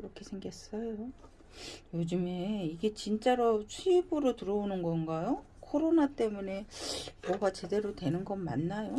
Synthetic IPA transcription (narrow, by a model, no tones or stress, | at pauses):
iɾʌkʰe̞sʰe̞ŋɡʌs͈ʌjo | jod͡ʑɯme̞iɡe̞t͡ɕint͡ɕ͈aɾoɕʰibuɾotɯɾʌonɯnɡʌnɡajo | kʰoɾonat͈e̞mune̞mʌɡat͡ɕe̞de̞ɾotwe̞nɯnɡʌnma̰nːajo